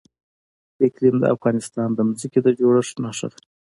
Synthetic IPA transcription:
ɪklimd̪ə̰a̰fɣɑnɪst̪ɑnd̪əmʊziked̪əd͡ʒoɽəʂnɑʂə̰t̪

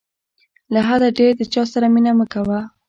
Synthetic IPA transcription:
laɦad̪aɖeɾd̪ət͡ʃɑsaɾaminaməkawa

